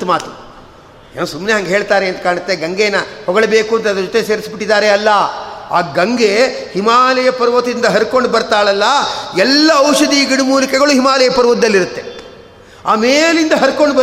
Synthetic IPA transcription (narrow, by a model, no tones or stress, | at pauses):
t̪umaːt̪u | ḛːnusumneɦɐŋɡeɦeːɭt̪aːɾeːnt̪ɐ̥kaːɳɐt̪ːeɡɐŋɡeːnɐhɔɡɐɭebeːkuɐnt̪ɐd̪ɐɾɐd͡ʒɔt̪ese̞ːɾisbiʈːid̪aːɾeɐlːɐaːɡɐŋɡehimaːlɐjɐpɐɾʋɐt̪ind̪ɐɦɐɾko̞ɳɖbɐɾt̪aːɭɐlːɐɛlːɐɐwʂɐd̪iɡiɽumuːlikɛɡɐɭuɦimaːlɐjɐpɐɾʋɐt̪d̪ɐlːiɾut̪ːe | a̰ːmeːlind̪ɐɦɐɾko̞ɳɖbɐ